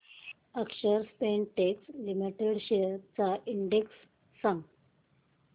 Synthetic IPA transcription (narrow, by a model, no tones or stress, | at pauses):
əkʂəɾspenʈekslimiʈeɽɕeɾt͡saʔiɳɖeksː | ãŋɡ